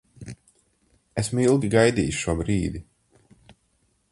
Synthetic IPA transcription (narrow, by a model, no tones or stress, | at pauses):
esmilˠɡʲiɡajd̪iːjʃʃuɔbɾiːd̪i